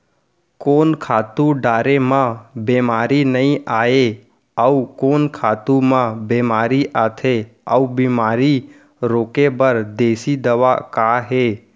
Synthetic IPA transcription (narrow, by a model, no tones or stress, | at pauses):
koːnkʰaːt̪uɖaːɾemãbeːmaːɾinəĩʔaːe | əukoːnkʰaːt̪umãbeːmaːɾiʔaːt̪ʰeəubiːmaːɾi | ɾoːkebəɾd̪eːsid̪əʋakaːɦeː